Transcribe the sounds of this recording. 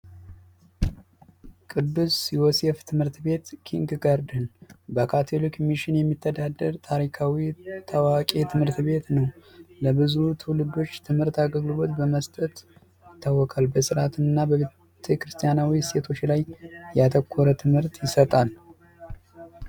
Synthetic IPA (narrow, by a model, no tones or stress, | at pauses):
kʼɨd̪ːusjwoseft̪ʰɨmhɨɾt̪be̞t̪kʰiŋɡɡaɾd̪ɨnbəkʰat̪ʰolikmiʃɪnjɛmːit̪ʰːəd̪ad̪ːəɾt̪ʰaɾikʰawit̪ʰawakʼet̪ʰɨmhɨɾt̪be̞t̪nəwləbɨzut̪ʰulɨd̪o̞t͡ʃːt̪ʰɨmhɨɾt̪aɡəɡlɨlot̪bəməst̪ʼət̪ | jɪt̪ʰːawːɔkʼalbəsɨɾat̪ʰɨnɨnːabəβe | t̪ʰekɾɨst̪ʰʼijanawise̞t̪ʰo̞t͡ʃːlajjat̪ʰəkʰːoɾət̪ʰɨmhɨɾt̪jɪsət̪ʼal